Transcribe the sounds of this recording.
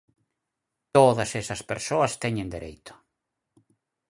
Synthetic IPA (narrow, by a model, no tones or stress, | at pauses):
t̪oðɐsesɐspeɾsoɐst̪ɛɲẽnd̪eɾḛjt̪ʰʊ̥